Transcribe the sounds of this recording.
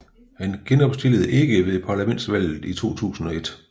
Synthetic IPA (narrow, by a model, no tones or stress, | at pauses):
hænɡ̥enɒ̽b̥sd̥e̝ləð̩ˠʔe̝ɡ̥əʋe̝ðˠpʰɑ̈ːlæmen̰d̥sʋæl̰ð̩ˠit͡sʰo̝̰ːt͡sʰṵːsn̩ɒ̽e̝d̥